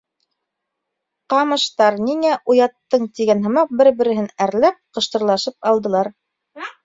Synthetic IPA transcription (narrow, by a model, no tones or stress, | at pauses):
qɑmɤ̆ʃt̪ɑɾniŋæʔujɑt̪ːɤɴt̪iɡænɦɤ̆mɑq̚bɘɾbɘ̆ɾɘ̆ɦɘnæɾlæp̚qɤ̆ʃt̪ɤ̆ɾlˠɑʃɤp̚ɑlˠd̪ɤ̆lˠɑɾ